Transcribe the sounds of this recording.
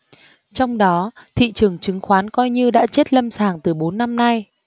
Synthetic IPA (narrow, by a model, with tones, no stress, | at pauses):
t͡ɕɔ˧wŋ͡mɗɔ˨˦t̪ʰḭ˧˨t͡ɕɨ˨˩əŋt͡ɕɨ˨˦ŋxwaː˨˦nkɔ˧jɲɨ˧ɗa̰ː˧˥t͡ɕe˦˥t̚lə˧msaː˧˩ŋt̪ɨ˨˩ɓo˨˦nːa˧mna˧j